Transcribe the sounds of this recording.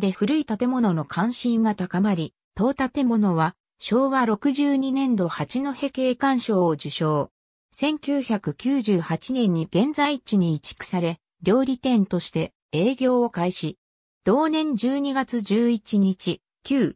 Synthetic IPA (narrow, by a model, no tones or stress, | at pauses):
d̪e̞ɸɯ̟ɾɯ̟it̪at̪e̞mo̞no̞no̞kʰãɰ̃ɕĩŋɡat̪akamaɾʲi | t̪o̞ːt̪at̪e̞mo̞no̞βa | ɕo̞ːβaɾo̞kɯ̟ʑɨːɲ̟inẽ̞nd̪o̞hat͡ɕino̞he̞ke̞ːkãɰ̃ɕo̞ːd͡ʑɨɕo̞ː | sẽ̞ŋkʲɨːçakɯ̟kʲɨːʑɨːhat͡ɕinẽ̞ɲ̟ːiɡ̥ẽ̞nd͡zaiit͡ɕiɲ̟iːt͡ɕi̥kɯ̟̥saɾe̞ | ɾʲo̞ːɾʲit̪ẽ̞nt̪o̞ɕi̥t̪e̞ | e̞ːɡʲo̞ːokaiɕi | d̪̥o̞ːnẽ̞ɲd͡ʑɨːɲ̟iɡat͡sɨd͡ʑɨːit͡ɕiɲ̟it͡ɕi | kʲɨː